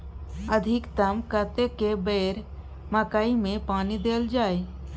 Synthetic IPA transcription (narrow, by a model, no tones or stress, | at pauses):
əd̪ʱɪkt̪əmkət̪ekebeːɾ | məkaːimẽpaːnid̪eːld͡ʒaːe